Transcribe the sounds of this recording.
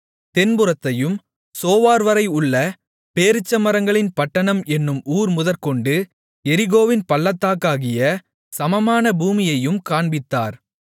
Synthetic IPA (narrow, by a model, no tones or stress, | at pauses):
t̪ɛnbɯɾɐt̪ːɐjɯm | soːʋaːɾʋɐɾɐɪʊɭːɐ | peːɾɯt͡ʃːɐmɐɾɐŋɡɐɭɪnpɐʈːɐɳɐmɛnːɯmʔuːɾmʊðɐɾkɔɳɖɯ | ɛɾɪɣoːʋɪnpɐɭːɐt̪ːaːkːaːɣɪjɐ | sɐmɐmaːnɐbuːmɪjɐjɯmkaːɳbɪt̪ːa̰ːɾ